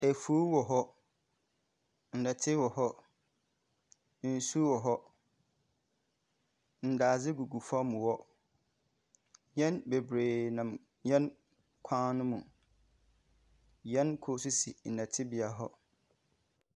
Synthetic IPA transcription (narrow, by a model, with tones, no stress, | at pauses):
æ˨fo˦wɔ˨ɦɔ˦ | n̩˨nɛ̃˨tʰɪ˦wɔ˨hɔ˦ | n̩˦˨su˦wɔ˨ɦɔ˦ | n̩˨daː˨zɪ˦ɡu˨ɡu˨fã˦mũ˨wɔ˦ | ɲɛ̃˦nbe˨bɾeː˨nã˨m | ɲɛ̃˦n | kʷʰãː˦nʊ̃˦mũ˨ | jɛ̃˦nkʰo˦su˦si˨n̩˨nɛ̃˨tʰɪ˦bi˨a˨ɦɔ˦